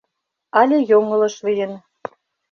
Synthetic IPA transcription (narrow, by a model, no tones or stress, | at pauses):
ɑlʲejoŋɤ̆lɤ̆ʃβijə̆n